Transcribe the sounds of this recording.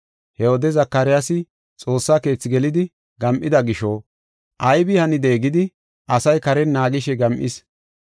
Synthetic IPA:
hɛhoːd̪ɛzɐkːɐɾɪjasɪ | t͡sʼo̞ːsːaːke̞ːt͡sːɪɡɛlɪd̪ɪ | ɡɐmʔɪd̪ɐɡɪʃo | ʔɐjbɪhɐnɪd̪e̞ːɡɪd̪ɪ | ʔɐsɐjkɐɾɛnːaːɡɪʃɛɡɐmʔɪ̰s

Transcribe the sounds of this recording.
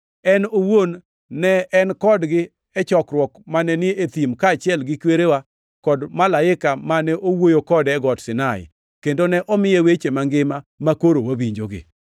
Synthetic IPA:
ɛnowonː | ɛɛnkɔdɡɪ | ɛt͡ʃɔkɾwɔkmanɛnɪet̪imkat͡ʃɪɛlɡɪkweɾewa | kɔdmalaɪkamanɛʔowojokɔdɛɡɔtsɪnaɪ̰ | kendonɛʔɔmɪjewet͡ʃemaŋɡɪmamakoɾowabiɲd͡ʒoɡɪ̰

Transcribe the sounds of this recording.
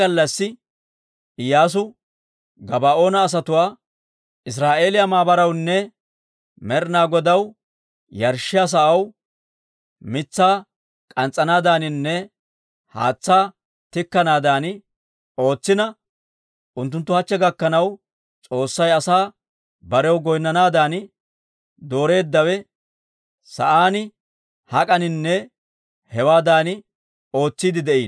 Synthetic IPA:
ɐlːɐsːɪ | ɪjaːs̬ʊ | ɡɐbaːʔo̞ːnɐːs̬ɐt̪ʊwaː | ʔɪs̬ɾaːʔe̞ːlɪjɐmaːbɐɾɐwnːɛ | mɛɾnaːɡɔd̪ɐw | jɐɾʃɪjas̬ɐʔɐw | mɪt͡sːaː | kʼɐnt͡sʼːɐnaːd̪aːnɪnːɛ | ha̰ːt͡sːaː | t̪ɪkːɐnaːd̪aːn | o̞ːt͡sːɪnɐ | ʔʊnt̪̬ːʊnt̪ːʊhɐt͡ʃːɛɡɐkːɐnɐw | t͡sʼo̞ːsːɐjɐsaː | bɐɾɛwɡɔjnːɐnaːd̪aːn | d̪o̞ːɾe̞ːd̪ːɐwɛ | sɐ̰ʔaːnɪ | hɐkʼɐnɪnːɛ | hɛwaːd̪aːnɪ | o̞ːt͡sːiːd̪ɪd̪ɛʔiːn

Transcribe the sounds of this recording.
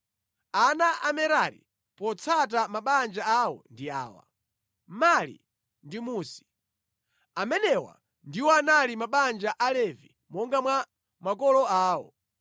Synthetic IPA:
anaʔamɛɾaɾḭ | pɔt͡sʰat̬amaɓand͡ʒaawɔ̰ndia̰ːwa̰ | malḭ | ndimuːsi̥ | amɛnɛwa̰ | ndiwɔanalimaɓand͡ʒaʔalɛvi | mɔŋɡamwa | makɔlɔaːwɔ̰

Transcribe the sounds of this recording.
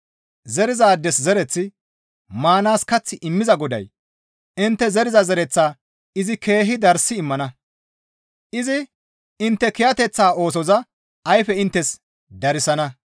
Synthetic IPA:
zɛɾɪzaːd̪ːɛszɛɾɛt͡sːɪ | maːnaːskɐt͡sːɪʔɪmːɪzɐɡɔd̪ɐ̰j | ɪnt̪ːɛzɛɾɪzɐzɛɾɛt͡sːaː | ɪzɪke̞ːɦɪd̪ɐɾsɪːmːɐnɐ | ʔɪzɪ | ɪnt̪ːɛkɪjɐt̪ɛt͡sːaːo̞ːs̬ɔzɐ | ɐjfɛɪnt̪ːɛs | d̪ɐɾɪsɐnɐ

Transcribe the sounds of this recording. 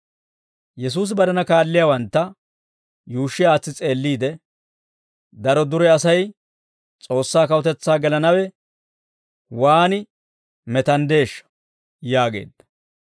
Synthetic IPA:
jɛs̬uːs̬ɪbɐd̪ɐnɐkaːlːɪjaːwɐnt̪ːɐ | juːʃːɪaːt͡sːɪt͡sʼe̞ːlːiːd̪ɛ | d̪ɐɾɔd̪ʊɾɛɐsɐj | t͡sʼo̞ːsːaːkɐwʊt̪ɛt͡sːaːɡɛlɐnɐwɛ | waːnɪ | mɛt̪ɐnd̪e̞ːʃːɐ̥ | jaːɡe̞̰ːd̪ːɐ̥

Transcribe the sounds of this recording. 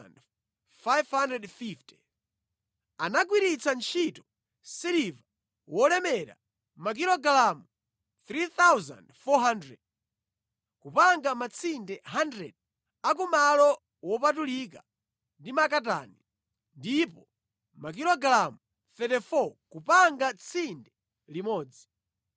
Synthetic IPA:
nd | fajvhandɾɛdfiftɛ̥ | anaɡwiɾit͡sʰant͡ʃʰitɔ | siɾiva | wɔlɛmɛɾa̰ | mak̬ilɔɡlamu | θɾiθawza̰ndfɔɦandɾɛ̰d̚ | kupaŋɡamat͡sʰindɛɦandɾɛ̰d̚ | ak̬umalɔ | wɔpatulika | ndimakat̬a̰ːni | ndipɔ | mak̬ilɔɡlamu | θɛtɛfɔkupaŋɡat͡sʰindɛ | limɔːd͡zi

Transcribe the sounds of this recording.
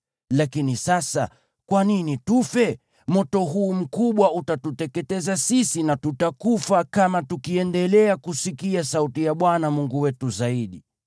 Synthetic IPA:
lakinisasa̰ | kwaninitufɛ | mɔtɔɦuːm̩kuɓwautatutɛkɛtɛzasisinatutakufakamatukiɛndɛlɛakusikiasautijaɓwanamuŋɡuwɛtuzaiɗi

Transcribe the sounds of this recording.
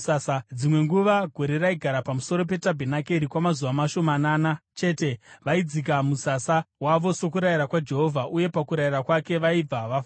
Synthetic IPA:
asad͡zimwe̞ŋɡuʋaɡʱo̞ɾe̞raiɡʱaɾapamuso̞ɾo̞p̬e̞tabʱenakeɾikwamazuʋamaʃo̞mananat͡ʃe̞ːte̞ʋaid͡zik̬amusasawaʋo̞so̞kuɾaiɾakwad͡ʒe̞ɦo̞vʱaʔuje̞pakuɾairakwake̞ʋaib͡vaʋaf

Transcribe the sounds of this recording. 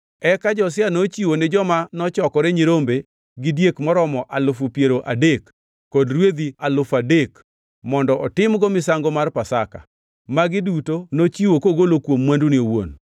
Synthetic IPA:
ɛkad͡ʒɔs̬janot͡ʃiwonɪd͡ʒɔmanɔt͡ʃɔkɔɾeɲiɾombe | ɡɪdjekmɔɾɔmɔʔalʊfʊpjeɾoʔadekː | ɔdɾwed̪ialʊfadek | mɔndɔʔɔtɪmɡɔmɪsaŋɡomarpasaka̰ | maɡɪdutonot͡ʃiwokoɡolokwomːwanduniowo̰n

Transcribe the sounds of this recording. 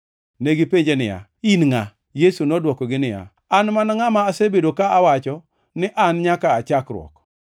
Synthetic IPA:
neɡipeɲd͡ʒenɪja̰inŋa | jesunɔdwɔkɔɡɪnɪja̰ | anmanaŋamaːsebedokaawat͡ʃɔ | nɪʔanɲakaːt͡ʃakɾwɔ̰k

